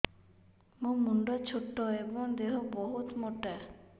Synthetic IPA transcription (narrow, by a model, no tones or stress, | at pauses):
mumuɳɖot͡ɕʰoʈːoeboŋd̪eɦobɔɦut̪moʈːe